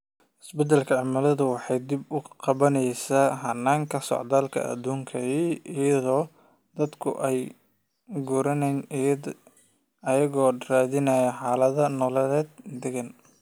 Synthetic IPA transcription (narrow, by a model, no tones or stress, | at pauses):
ʔɪsbɛd̪ɛlkʰɐʕɑmɐlɐðʊwɑħɑjd̪ɪbʊqɑβɐnɛjsaːɦɐnːaːŋkʰɐsɔ̰ʕd̪aːlkʰɐ̰ʔɐ̰d̪uːŋkʰɐiijɐðɔː | d̪ɐd̪kʰʊ̰ʔɛj | ɡʊɾɐnɛn | ɐjɐɣɔːraːðɪnɐjɐħɑːlɐðɐnɔːlɐlɛːd̪̚d̪ɛɣɐn